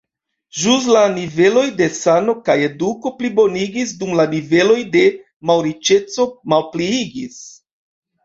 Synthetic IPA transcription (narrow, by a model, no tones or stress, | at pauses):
ʒus̬lanive̞lo̞jde̞sano̞kaje̞duko̞plibo̞niɡisdumlanive̞lo̞jde̞ | mawɾit͡ʃe̞t͡so̞malpliiɡis